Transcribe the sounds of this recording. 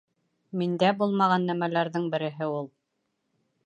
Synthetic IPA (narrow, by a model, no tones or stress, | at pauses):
mind̪æbulˠmɑʁɑnːæmælæɾðɘɴbɘ̆ɾɘ̆ɦɘulˠ